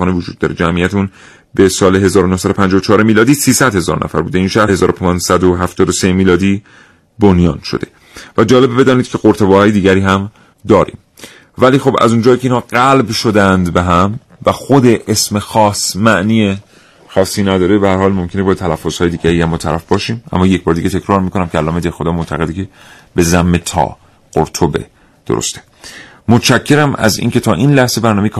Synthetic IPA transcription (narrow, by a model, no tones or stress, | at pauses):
ɒːnevod͡ʒṵːd̪̚ːɒːɾed͡ʒæmijæt̪ʰuːn | be̞sɒːleɦe̞zɒːɾonohsæd̪opʰænd͡ʒɒvot͡ʃʰɒːɾemiːlɒːd̪iːsiːsæd̪̥he̞zɒ̰ɾnʔæ̰fæ̰ɾbuːd̪eiːnʃæhhezɒ̰ːɾopʰːnsæd̪oɦæft̪ɒːd̪osemiːlɒːd̪iː | bonjɒːnʃod̪̥e̞ | væd͡ʒɒːle̞bbe̞d̪ɒːniːd̪̚cʰe̞ɣoɾt̪ʰebɒːhɒːjed̪iːɟæɾiːhæm | d̪ɒːɾḭːm | væliːxo̞bæ̰zund͡ʒɒːjikʰeiːnhɒːɢælbʃo̞d̪ænd̪be̞ɦæm | væxod̪e̞ʔesmexɒːsmæʔniːje | xɒːsːiːnæd̪ɒːɾe̞behæɾhɒːlmomkʰe̞nebɒːt̪ʰælæfːoz̥hɒːje̞d̪iːɟæɾiːæmːɒːt̪ʰæɾæfbɒːʃiːmʔæ̰mːɒːjec̚ʰb̥ɒːɾed̪iːɟet̪ʰe̞kcʰɾɒːɾmiːkʰonæmcʰeælːɒːmed̪eɾxod̪ɒːmoʔt̪ʰæɣe̞d̪ecʰe | be̞zæmːet̪ʰɒ̰ː | ɢ̥o̰ɾt̪ʰobe̞̰ | d̪̥o̰ɾo̰st̪e̥ | mot̪ʃæcʰːe̞ɾæmæ̰zḭːnce̞t̪ʰɒːʔiːnlæhzebæɾnɒːmejkʰ